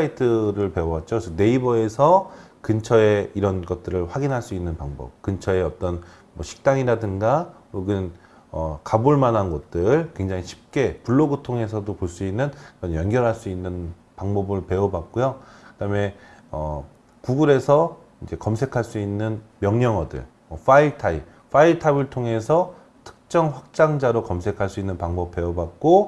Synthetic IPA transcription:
aitʰɯɾɯɭpe̞oʌt̚t͡ɕ͈one̞ibʌe̞sʰʌkɯnt͡ɕʰʌe̞iɾʌnɡʌt̚t͈ɯɾɯɭɸwaɡinɦaɭs͈uinːɯnpaŋbʌ̰p̚kɯnt͡ɕʰʌe̞ʌt͈ʌn | mʌɕʰi̥k̚t͈aŋiɾadɯnɡa | oɡɯn | ʌkabuɭmanɦanɡʌt̚t͈ɯɭkwe̞ŋd͡ʑaŋiɕʰi̥p̚k͈e̞puɭːoɡɯtʰoŋe̞sʰʌdopoɭs͈uinːɯnkɯɾʌnjʌnɡjʌɾɦaɭs͈uinːɯn | paŋbʌbɯɭpe̞ʌbak̚k͈ojokɯdame̞ʌ | kuɡuɾe̞sʰʌ | id͡ʑe̞kʌmsʰe̞kʰaɭs͈uinːɯnmjʌŋɲʌŋʌdɯ̰ɭ | mwʌfaitʰai | ɸaitʰaibɯɭtʰoŋe̞sʰʌ | tʰɯ̥k̚t͡ɕ͈ʌŋɸwak̚t͡ɕ͈aŋd͡ʑaɾokʌmsʰe̞kʰaɭs͈uinːɯnpaŋbʌp̚p͈e̞obak̚k͈o

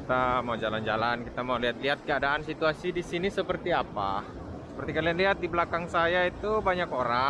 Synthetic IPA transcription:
it̪amawd͡ʒaland͡ʒalankit̪amauliɦat̪̚liɦat̪̚kəadaʔːnsit̪uasidisinisəpərt̪iapa̰ | sə̥pərt̪ikalianliɦat̪̚dibəlakaŋsajait̪ubaɲakoɾa

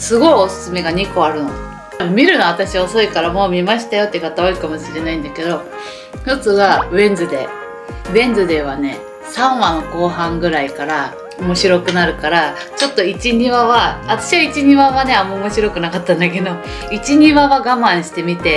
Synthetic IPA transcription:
sɨɡo̞io̞sɨ̥sɨme̞ɡaɲ̟iko̞aɾɯ̟no | mʲiɾɯ̟no̞at̪aɕiβaso̞ikaɾamo̞ːmʲimaɕi̥t̪ajo̞t̪ːekat̪aoikamo̞ɕiɾe̞naĩnd̪ake̞d̪o̞ | jo̞t͡sɨβaβẽ̞nd͡zɨd̪e̞̰ | βẽ̞nd͡zɨd̪e̞βane̞̰ | sãɰ̃βãko̞ːɦãŋɡɯ̟ɾaikaɾa | omo̞ɕiɾo̞kɯ̟naɾɯ̟kaɾa | t͡ɕo̞t̪ːo̞it͡ɕiɲ̟iβaβaβat̪ḁɕiβait͡ɕiɲ̟iβaβane̞amoomo̞ɕiɾo̞kɯ̟nakat̪ːãnd̪ake̞d̪o̞ | it͡ɕiɲ̟iβaβaɡamãɰ̃ɕi̥t̪e̞mʲit̪e̞

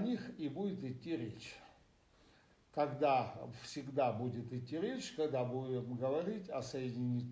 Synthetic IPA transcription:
ɐnʲixibudʲɪt̪ɪtʲːiɾʲet͡ɕ | kɐɡd̪afsʲɪɡd̪abudʲɪt̪ɪtʲːiɾʲet͡ɕkɐɡd̪abuɪt̪ɡəvɐɾʲitʲɐsəjɪdʲɪnʲit̪

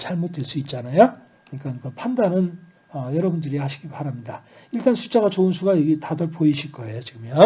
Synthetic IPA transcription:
t͡ɕaɭmot̚t͈weɭs͈uit̚t͡ɕ͈anajo | kɯɲik͈ankɯpʰandanɯn | ʌjʌɾʌbundɯɾihaɕʰi̥ɡipaɾamɲida | iɭt͈ansʰut͡ɕ͈aɡat͡ɕoɯnsʰuɡajʌɡitadʌɭpoiɕʰiɭk͈ʌe̞jot͡ɕiɡɯmjʌn

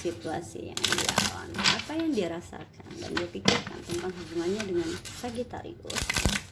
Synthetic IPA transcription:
sit̪uasḭja̰ŋdiawanapajaŋdiaɾasa̰kanda̰ndiapikɪrka̰nt̪əntp̪aŋɦubuŋanɲadəŋansaɡit̪a̰ɾḭɡos

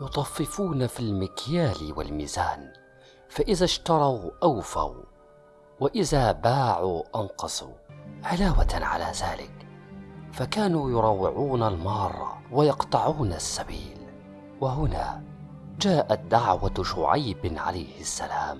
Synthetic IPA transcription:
jʊt̪ˤɑfːɪfuːnafilmɪkjaːlwa̰lmḭːzaːn | faʔɪðaʃt̪ɑɾˤɑwʔawfa̰w | waʔɪðaːbaːʕuʔɑnqɑsˤṵʕɪlaːwat̪ʕa̰la̰ːða̰ːlɪ̰k | fakaːnuːjʊɾˤɑwːɪʕuːnalmɑːrˤːɑ̰wajɑqt̪ˤɑʕuːnasːabḭːl | waɦʊna̰ː | d͡ʒaːʔat̪̚d̪aʕwaʃʊʕajbʕa̰lajhɪsːa̰laːm

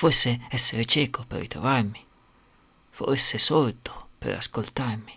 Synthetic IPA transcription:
fosːeɛsːeɾet͡ʃɛːkopḛrːḭt̪ɾo̰varmi | fo̰rsesɔɾd̪o̥pḛɾa̰skolt̪armi̥

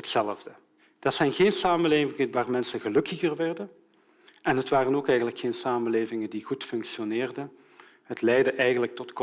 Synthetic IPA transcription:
ɦətsɛlˠəvdə | d̥ɑtsɛjnɣeːnsaːməleːvɪŋəʋaːrmɛnsəɣəlɵkəɣərʋɛrdən | ʔɛnɦətʋaːrənoːkɛjɣənləkxeːnsaːmənleːvɪŋədiɣutfɵŋkʃionɪːrdən | ɦətlɛjdəʔɛjɣənlək̚tɔtk

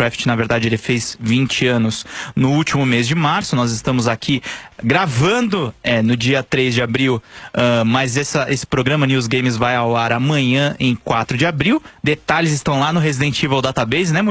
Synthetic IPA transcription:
ɾɛfɪ̥t͡ʃɪnɐveɾd̪ad͡ʒɪelɪfez̥vĩnt͡ʃɪɐ̃nʊsnʊut͡ʃimʊmezd͡ʒɪmaɾsʊnɔzɪst̪ɐ̃mʊzakʰiɡɾavɐ̃nd̪ʊɛnʊd͡ʒiɐt̪ɾezd͡ʒɪabɾiwɛmɐzɛsɐʔesɪ̥pɾoɡɾɐ̃mɐnuwzɡẽj̃mɪzvajawaɾamɐ̃ɲɐ̃ʔẽj̃kwat̪ɾʊd͡ʒɪabɾiwd̪et̪alɪzɪst̪ɐ̃w̃lanʊɦezid̪ẽnt͡ʃivawd̪at̪abejznɛm̃

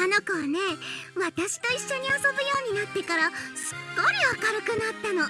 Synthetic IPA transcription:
ano̞kaβane̞βat̪aɕi̥t̪o̞iɕːo̞ɲ̟ioso̞bɯjo̞ːɲ̟inat̪ːe̞kaɾasɨ̥ɡ̥o̞ɾʲiβakaɾɯ̟kɯ̟nat̪ːano̞

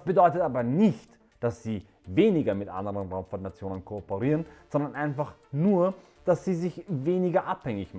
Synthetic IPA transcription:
sb̥ədɔʏtətaːbɐnɪçt | d̥asz̥iː | veːnɪɡɐmɪtʔa̰ndəʁənʁaʊmfɔnːat͡sjoːnənkʰoopəʁiːʁənz̥ɔndɐnʔaɪnfaχnuːɐ | d̥asz̥iːzɪçveːnɪɡɐʔaphɛŋɪçm

